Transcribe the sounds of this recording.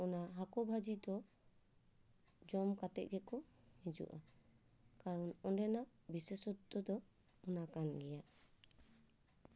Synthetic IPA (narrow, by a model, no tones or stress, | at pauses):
ɔnaɦakɔbʱad͡ʒid̪ɔ | d͡ʒɔmkat̪ɛ̰ʔ̚ɡɛkɔhid͡ʒṵʔa | kaɾɔnɔnɖɛna | bisesɔt̪ːɔd̪ɔ | ɔnakanɡɛjaʔ